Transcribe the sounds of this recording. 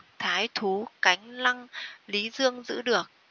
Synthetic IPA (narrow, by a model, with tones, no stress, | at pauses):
t̪ʰaː˨˦jt̪ʰu˨˦ka˨˦jŋ̟la˧ŋli˨˦zɨ˧əŋzɨ̰˧˥ɗɨ˨˩ək̚